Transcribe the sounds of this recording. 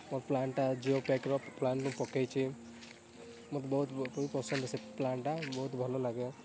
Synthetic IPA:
mɔɾplaɳʈad͡ʒiopekɾɔplaɳʈũpɔkejt͡ʃʰi | mɔt̪ɔbɔɦut̪ipɔsɔnd̪seplaɳʈabɔɦut̪bʱɔlolaɡjɔ

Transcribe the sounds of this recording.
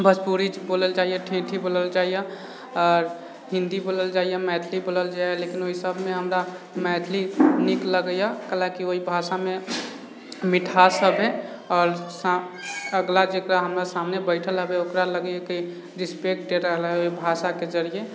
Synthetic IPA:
bəd͡ʒpuɾid͡ʒboːləld͡ʒaːijeʈʰẽʈʰiboːləld͡ʒaije | ɔːɾ | ɦɪ̃nd̪iboːləld͡ʒaːijemɛːt̪ʰliboːləld͡ʒaːjlekinoisəbmẽɦəmɾa | mɛːt̪ʰlinikləɡəjakəlakioɦibʱasamẽ | mɪʈʰasəbɦe | ɔːɾsaəɡlad͡ʒekɾaɦəmɾasamnebəɪʈʰəlɦəbeokɾaləɡjeke | ɾɪspek̚ʈeɾəɦəlɦɛoibʱasaked͡ʒəɾije

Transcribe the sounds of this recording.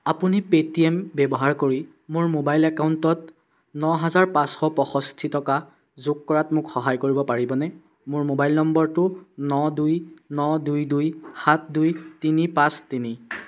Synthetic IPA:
apunipetiembɛbɔɦaɹkoɹi | mʊɹmobajlɛkawntɔt | nɔɦazaɹpãsxɔpɔxɔstʰitɔka | zʊkkɔɹatmʊkxɔɦajkoɹibɔpaɹibɔnɛ | mʊɹmobajlnɔmbɔɹtʊnɔdujnɔdujdujxat̚ʰdujtinipãstini

